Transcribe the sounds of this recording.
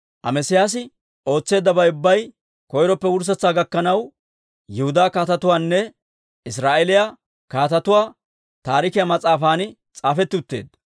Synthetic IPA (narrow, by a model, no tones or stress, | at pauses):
ʔɐ̰mɛsɪjaːs̬ɪ | o̞ːt͡sːe̞ːd̪ːɐbɐjʊbːɐj | kɔjɾɔpːɛwʊɾs̬ɐt͡sːaːɡɐkːɐnɐw | jɛhʊd̪aːkaːt̪ɐt̪ʊwaːnːɛ | ɪsɾaːʔɛlɪja | kaːt̪ɐt̪ʊwaː | t̪aːɾɪkɪjamɐt͡sʼaːfaːn | t͡sʼaːfɛt̪ːɪʊt̪ːeːd̪